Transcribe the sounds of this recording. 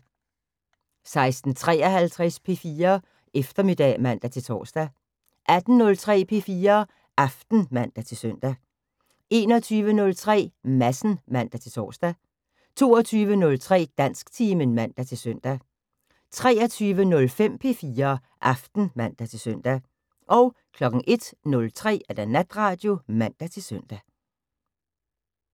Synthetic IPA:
sɑ̈ɪsd̥n̩t͡sʰʁɛ̰ːɒhælt͡sʰʁɛspʰe̝fiːɐ | ʔefd̥ɐme̝d̥ɛ̰ːmæn̰d̥æt͡sʰe̝lt͡sʰɒ̰ːsd̥æ | ʔæd̥n̩nɔ̽lt͡sʰʁɛ̰ːpʰe̝ːfiːɐ | ʔɑfd̥n̩mæn̰d̥æt͡sʰe̝sœn̰d̥æ | e̝ːnɒt͡sʰyːʋənɔ̽lt͡sʰʁɛ̰ːmæsn̩mæn̰d̥æt͡sʰe̝lt͡sʰɒ̰ːsd̥æ | t͡sʰo̝ːɐt͡sʰyːʋənɔ̽lt͡sʰʁɛ̰ːd̥æn̰sɡ̥t͡sʰiːmənmæn̰d̥æt͡sʰe̝lsøn̰d̥æ | t͡sʰʁɛːɐt͡sʰyːʋənɔ̽lfem̰pʰe̝̰ːfiːɐː | ʔɑfd̥n̩mæn̰d̥æt͡sʰe̝lsœn̰d̥æ | ʔɒ̽ʊ | kʰlɒ̽ɡ̥ŋ̩ʔe̝d̥nɔ̽lt͡sʰʁɛ̰ːæd̥ænæd̥ʁɑ̈ːd̥jo̝mæn̰d̥æt͡sʰe̝sœn̰d̥æ

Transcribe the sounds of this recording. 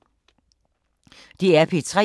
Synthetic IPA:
d̥iæɐpʰit͡sʰʁɛ̰

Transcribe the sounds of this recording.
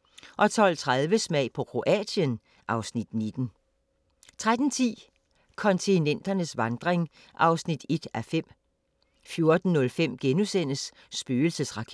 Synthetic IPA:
ʔɒ̽t͡sʰɒ̽l̰t͡sʰʁaðˠʋəsmɛɪ̰pʰɒ̽kʰʁo̝ʔɛ̰ːdjən | ʔɑ̈ʊsnid̥nid̥n̩ | t͡sʰʁad̥n̩t͡sʰḭː | kʰɒ̽nt͡sʰinen̰d̥ɐnəsʋɑ̈nd̥ʁeŋ | ʔɑ̈ʊsnid̥e̝d̥æfem̰ | fjo̝ɐd̥n̩ːɔ̽lfem̰ɡ̥enusen̰əsː | b̥yːl̩səsʁɑ̈kʰe

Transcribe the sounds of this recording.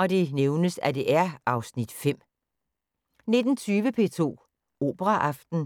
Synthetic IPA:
ɒ̽d̥e̝neʊnəsæd̥e̝ʔæɐɑ̈ʊsnid̥fem̰ | ne̝d̥n̩t͡sʰyːʋəpʰe̝̰ːt͡sʰo̝̰ː | o̝ːb̥əʁɑʔɑ̈fd̥n̩

